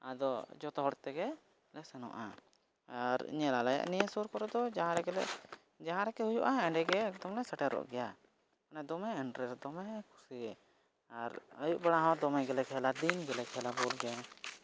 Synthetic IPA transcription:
ad̪ɔd͡ʒɔt̪ɔɦɔɽt̪ɛɡɛ | lɛsɛnɔ̰ʔa̰ | ɾḭɲɛlalaja̰ʔnijasuɾkɔɾɛd̪ɔd͡ʒaɦãɾɛɡɛlɛ̰ʔ | d͡ʒaɦãɾɛkɛhujuʔaɛɳɖɛɡɛːkd̪ɔmlɛsaʈɛɾɔ̰ʔɡɛja | anad̪ɔmɛɛɳʈɾɛsd̪ɔmɛkʰu̥siɛ | aɾəjuʔbɛɽaɦawad̪ɔmɛɡɛlɛkʰɛlad̪inɡɛlɛkʰɛlabɔlɡɛ

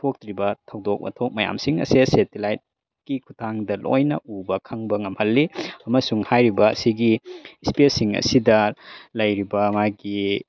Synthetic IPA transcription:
tʰok̚tɾibɐtʰɐwdok̚mɐ̰tʰok̚mɐja̰msiŋɐ̰sesetilajt̚ | kikʰutʰaŋdɐlʔo̰jnɐ̰ʔubɐkʰɐŋbɐŋɐmhɐlːiɐmɐsuŋhajɾibɐɐ̰siɡispesiŋɐ̰sidɐlɐjɾibɐmajɡi

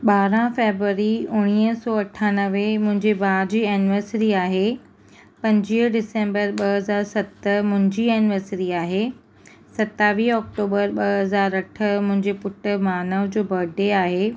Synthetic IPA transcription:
ɓaːɾãfeːbɾuʋəɾiʊɽ̃iːəsɔːɐʈʰaːnəʋemʊ̃ɦɪ̃ɲd͡ʑebaːd͡ʑiːɛnʋəɾsɪɾiaːɦe | pɐ̃ɲd͡ʑiːɦɖɪsẽːmbəɾɓɐɦɐzaːɾsɐt̪əmʊ̃ɦɪ̃ɲd͡ʑiːɛnɪʋəɾsɪɾiaːɦe | sɐt̪aːʋiːɔːk̚ʈoːbəɾɓɐɐzaːɾɐʈʰəmʊ̃ɦɪ̃ɲd͡ʑepʊʈə̆maːnəʋd͡ʑoːbɐɖeaːɦeː

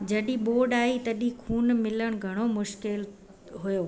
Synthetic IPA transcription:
d͡ʑɐɗĩɓoːɖaːit̪ɐɗĩkʰuːnmɪləɽ̃ɡʱɐɽ̃omʊʃkɪl | ɦujoː

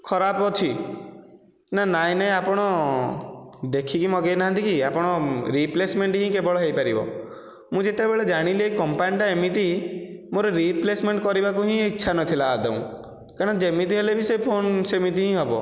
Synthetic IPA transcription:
kʰɔɾapɔt͡ʃʰi | nanaj̃naj̃apɔɽ̃ɔ | d̪ekʰikimɔɡejnaɦãnt̪ikiapɔɽ̃ɔɾiplesmeɳʈɦĩkebɔɭɔɦejpaɾibɔ̰ | mũd͡ʒeʈebeɭed͡ʒaɽ̃ileikɔmpanʈaemit̪imoɾɔɾiplesmeɳʈkɔɾibakuɦĩiːʃʰanɔt̪ʰilaːd̪ɔ̰ṵ̃ | kaɾ̃ɔd͡ʒemit̪̬iɦelebisepʰonsemit̪iɦĩɦɔbɔ̰

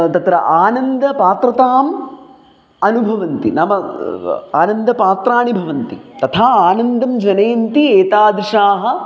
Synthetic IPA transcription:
t̪ɐt̪ɾɐʔaːnɐnd̪ɐpaːt̪ɾɐt̪aːm | ɐnubʱɐʋɐnt̪ḭnɐmɐ | a̰ːnɐnd̪ɐpaːt̪ɾaːɳibʱɐʋɐnt̪it̪ɐt̪ʰaːaːnɐnd̪ɐmd͡ʒɐneːnt̪ieːt̪aːd̪iʃaːɦɐ̆

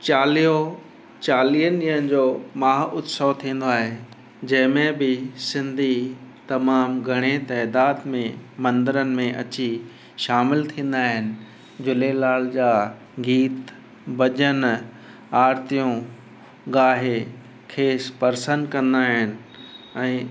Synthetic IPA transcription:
t͡ɕaːlijo | t͡ɕaːlijənɪənɪd͡ʑoːmaːɦʊt̪sot̪ʰĩːn̆d̪oaːɦe | d͡ʑɐ̃ɦɪ̃mẽbɪsɪ̃nd̪ʱit̪ɐmaːmɡʱɐɽ̃et̪ɛːd̪aːd̪mẽmɐ̃nd̪əɾənɪ̆mẽʔɐt͡ɕi | ʃaːmɪlt̪ʰĩːn̆d̪aːɦɪnɪ̆ | d͡ʑʊlelaːl̤d͡ʑaː | ɡiːt̪ | bɐʄən | aːɾt̪ijũ | ɡaːɦe | kʰeːspɐɾsənkɐ̃nd̪aːɦɪnɪ̆ | ɛ̃ː

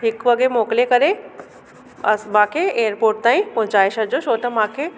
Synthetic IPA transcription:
ɦɪkʋɐɡɾemoːklekɐɾe | ɐ̰smãːkʰeeːəɾpoːɾʈ̚t̪aːĩpʊ̃ɦd͡ʑaːɪʃɐɾd͡ʑosoːt̪ɐmãːkʰe

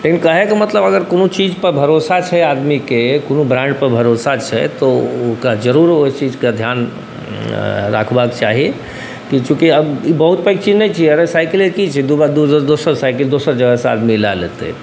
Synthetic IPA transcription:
lekinkəɦɛkimət̪ləbəɡəɾkonot͡ʃid͡ʒpəɾbʱəɾosat͡ʃʰɛad̪mikekonobɾãɳɖpəɾbʱəɾosat͡ʃʰɛ̰t̪ɔokad͡ʒəɾuɾot͡ʃid͡ʒked̪ʱjan | ɾa̰kʰbakt͡ʃaɦie | kikjũkiəbibəɦut̪̚pəjk̚t͡ʃid͡ʒnɛt͡ʃʰieɾəsajkilekit͡ʃʰɛd̪ubad̪d̪osəɾsaɪkəld̪osəɾd͡ʒəɡəsa̰d̪milalet̪ḛ

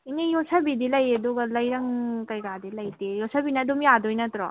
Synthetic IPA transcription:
inejɔsabid̪ilɐjed̪ɔɡlɐjɾɐŋkɐjɾad̪ilɐjt̪ejɔsabinad̪umjad̪ojnɐt̪ɾɔ

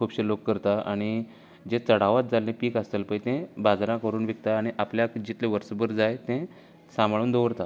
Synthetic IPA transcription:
kʰuːbɕelokːəɾt̪aa̰ɽ̃i | d͡ʑet͡səɽ̤aʋat̪̚d͡zalːẽpiːkast̪əlpəit̪ẽbad͡zɾãkəɾuːnʋik̚t̪aːɽ̃iʔapljakd͡ʑit̪leʋəɾsəbəɾd͡zajt̪ẽ | sãmbɭuːnd̪oʋəɾt̪a

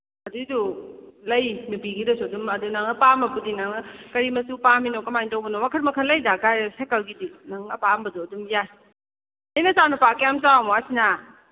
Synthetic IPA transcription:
ɐdidulɐjmupiɡidɐsudumɐdunaŋnɐpamɐpudinaŋnɐkɐɾimɐsupaminokɐmajntowbɐnowakʰɐtmɐkʰɐlɐjdaɡajsekɐlɡidinaŋɐpambɐduɐdumjaj | ejnɐsanupakjamsawamoasina

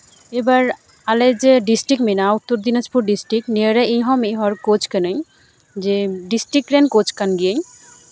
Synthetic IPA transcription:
ebaɾ | aled͡ʑeɖisʈikminaut̪ːoɾd̪inaspuɾɖisʈɾiknieɾeʔiɦɔmiɦɔɾkot͡ɕkenej | d͡ʑeɖisʈɾikːɾenkot͡ɕkanɡijej

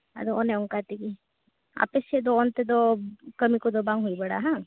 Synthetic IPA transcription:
ɐ̰d̪ooneʊ̃ŋkat̪iki | a̰ːpəsed̪oːnt̪ed̪okɐmikod̪obãŋɡɦuibɐɽaɦã

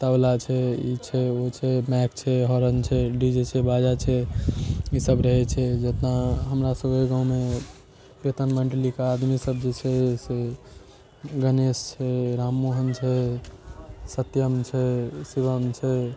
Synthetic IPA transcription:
t̪ablat͡ʃʰɛit͡ʃʰɛot͡ʃʰɛmɛk̚t͡ʃʰɛɦɔɾənt͡ʃʰɛɖid͡ʒet͡ʃʰɛbad͡ʒat͡ʃʰɛ | isəbɾəɦɛt͡ʃʰɛd͡ʒət̪naɦəmɾasəbkeɡãũme | pɾet̪ənməɳʈlikaad̪misəb̚d͡ʒet͡ʃʰɛse | ɡənest͡ʃʰɛɾamːuɦənt͡ʃʰɛ | sət̪jəmt͡ʃʰɛsiβəmt͡ʃʰɛ

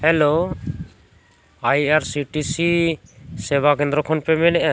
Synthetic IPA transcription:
hɛlo | ajaɾsiʈisi | sɛbakɛ̃nd̪ɾɔkʰɔnpɛmɛnɛʔa

